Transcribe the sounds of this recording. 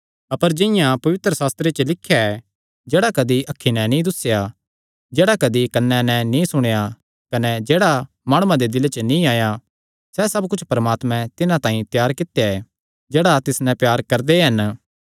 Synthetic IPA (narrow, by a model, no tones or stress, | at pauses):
ɐpəɾd͡ʒɪ̃ɪjãpɐʋɪt̪ɾəsaːst̪ɾet͡ʃəlɪkʰːjaɛ | d͡ʒeːɽakɐd̪iʔɐkʰːinɛ̃nĩd̪ʊsːeja | d͡ʒeːɽakɐd̪ikɐnːɛnɛ̃nĩsʊɽ̃eja | kɐnɛd͡ʒeːɽa | maːɽ̃ũãd̪ed̪ɪlet͡ʃənĩaːja | sɛsɐbkʊt͡ʃʰpɐɾəmaːt̪mɛ̃t̪ɪnãt̪ãːĩt̪jaːɾkɪt̪ːjaɛ | d͡ʒeːɽat̪ɪsnɛ̃pjaːɾkɐɾd̪eɦɐn